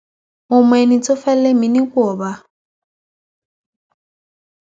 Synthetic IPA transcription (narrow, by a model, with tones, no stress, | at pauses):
mʊ˨mwe˨ni˨t͡sʼɔ˦fɛ˦le˦mi˨ni˦kɔː˨ba˦